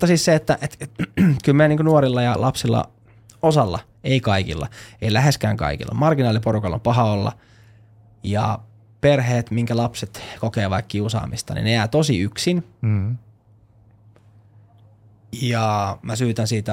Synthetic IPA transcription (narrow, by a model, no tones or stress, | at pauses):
t̪ːɑsisseet̪ːæʔet̪ekylmieniːŋkonuoɾilːɑjɑlɑpsilːɑ̰ | osɑlːɑ | eikɑikḭlːɑeilæheskæːŋkɑ̰ikḭlːɑmɑrɡinɑːliporukɑlːo̰mpɑɦɑolːɑ̰ | jɑ̰ | perheːt̪miŋkælɑpset̪kokeːʋɑ̰ːkkiusɑ̰ːmist̪ɑ̰nḭnejæːt̪osiyksin | jɑmæsyːt̪ænsiːt̪æ